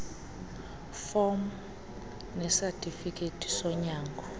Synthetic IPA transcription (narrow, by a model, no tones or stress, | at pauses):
fɔm | nɛsɛtʰʼifikʼetʰʼi̥sɔɲaːŋɡʱɔ